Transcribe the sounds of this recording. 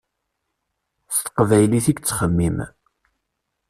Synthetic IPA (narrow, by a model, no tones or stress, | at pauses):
st̪ə̥qvæjliθiɡt͡sːχəmːim